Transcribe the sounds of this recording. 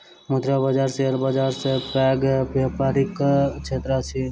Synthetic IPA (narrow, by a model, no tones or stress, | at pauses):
mut̪ɾabəd͡ʒaɾseəɾbad͡ʒaɾsepɛɡbjapaɾikt͡ʃʰet̪ɾat͡ʃʰi